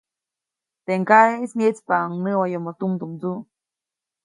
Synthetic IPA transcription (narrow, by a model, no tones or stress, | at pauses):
t̪eŋkaeisɲet͡spaŋnɨwajomot̪umd̪umd͡zu